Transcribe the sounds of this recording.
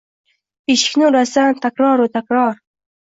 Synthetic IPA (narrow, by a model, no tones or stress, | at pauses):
iʃknuɾasant̪akɾɑːɾut̪akɾɑːɾ